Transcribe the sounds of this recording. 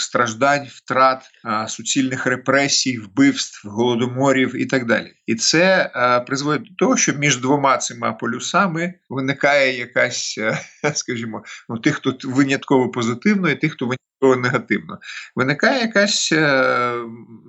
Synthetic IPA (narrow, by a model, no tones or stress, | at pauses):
st̪ɾɐʒd̪ɑnʲft̪ɾɑt̪ | sʊt͡sʲilʲnɪxrepɾɛsʲijwbɪwst̪wɦɔlˠɔd̪ɔmɔɾʲiwit̪ɑɡd̪ɑ̰lʲḭit̪sɛpɾɪzʋɔd̪ʲɪd̪ɔt̪ɔɦɔʃt͡ʃɔmʲiʒd̪ʋɔmɑt̪sɪmɑpɔlʲʊsɑmɪʋɪnɪkɑjɛjɐkɑsʲskɐʒʲimɔnʊt̪ɪxt̪ɔʋɪnʲɐt̪kɔʋɔpɔzɪt̪ɪwnɔit̪ɪxt̪ɔʋɪnʲɐt̪̚kɔʋɔneɦɐt̪ɪwnɔ̰ʋɪnɪkɑjɛjɐkɑsʲ